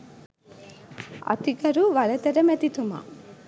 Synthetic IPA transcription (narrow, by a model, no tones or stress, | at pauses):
ɐ̰t̪ikɐɾuʋɐlɐt̪ɐɾɐmɛt̪it̪uma̰